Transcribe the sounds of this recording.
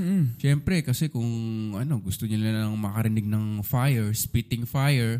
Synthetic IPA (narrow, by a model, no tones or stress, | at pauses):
ʃɛmpɾɛkɐsɛkʊŋʔɐno̞ɡʊst̪oɲɐlaɐŋmɐkɐɾɪnɪɡ̚nɐŋfajɛɹspit̪ɪŋfajɛɹ